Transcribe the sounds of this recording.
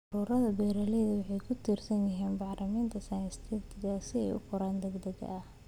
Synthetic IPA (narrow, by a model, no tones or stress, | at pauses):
ʊɾuːɾɐðɐbɛːɾɐlɛjðɐwɑħɑjkʰʊt̪ʰiːrsɐnjɪɦiːnbɑʕlʔɐmiːnt̪ʰɐsajst̪ʰɛbt̪ʰɪɣɐsɪɛ̰jʊ̰kʰʊɾaːnd̪ɛɡd̪ɐɣɐ̰ʔɐ